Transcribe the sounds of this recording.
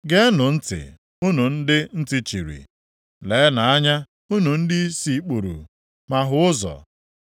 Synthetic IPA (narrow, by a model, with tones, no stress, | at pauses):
ɡe˦nʊ˨n̩˦tɪ̰˨ | u˦nu˨n̩˦dɪ˦n̩˦tɪ˦t͡ʃi˨ɾḭ˨ | le˨˦na˨a˦ɲa˦ | u˦nu˨n̩˦dɪ˦si˦k͡pu˨ɾṵ˨ | ma˨ɦʊ˦ʊ˦zɔ̰˨